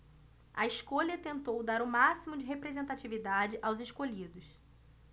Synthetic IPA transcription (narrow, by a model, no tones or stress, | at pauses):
ɐ̰iʃkoʎɐt̪ẽnt̪owd̪aɾʊmasimʊd͡ʒɪɦepɾezẽnt̪at͡ʃivid̪ad͡ʒɪʔawzɪʃkoʎid̪ʊs